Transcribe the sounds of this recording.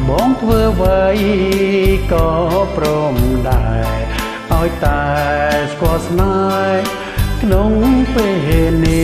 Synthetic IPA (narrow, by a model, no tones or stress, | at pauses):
ɓɑːŋt̪ʰʋəːʋəj | kɑːproːmɗaɛɛ | ʔaɔjt̪aɛskŏəlsna | kʰnoŋpeɦeni